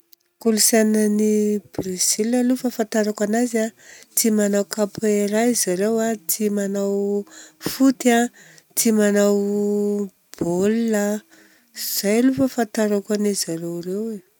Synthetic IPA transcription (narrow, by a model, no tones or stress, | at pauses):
kulusananib̥rez̥iləlufəfant̪aɾakʷanazat̪ʰimanawkapeɾaizaɾewat̪ʰimanaw | fut̪ãt̪ʰimanaw | b̥olːa | iz̥ajlufəfant̪aɾakanizaɾewrewe